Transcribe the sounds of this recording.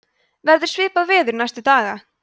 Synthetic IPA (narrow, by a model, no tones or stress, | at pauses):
vɛɾðʏɾ̥svɪːpaðvɪːðʏɾnajst̪ʏt̪aːɣa